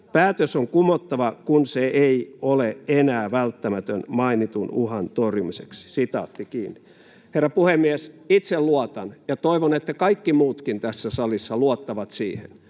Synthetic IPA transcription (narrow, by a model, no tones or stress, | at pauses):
pæːt̪øsoŋkumot̪ːɑʋɑkunseʔeioleenæːʋælt̪ːæmæt̪ønmɑinit̪unuhɑnt̪orjumiseksi̥sit̪ɑ̰ːt̪ːikiːnːi | herːɑpuhemːiesit̪selluɑt̪ɑnjɑt̪oiʋonet̪ːækɑikːimuːt̪kint̪æsːæsɑlisːɑluot̪ːɑʋɑt̪sḭːhḛn